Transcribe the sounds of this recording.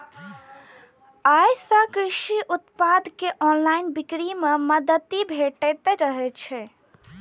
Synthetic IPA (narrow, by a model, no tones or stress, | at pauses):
ajsə̃kɾiʃiʔut̪pad̪keʔɔnlainbikɾimeməd̪ət̪ibʱeʈɛt̪ɛɾəɦɛt͡ʃʰɛ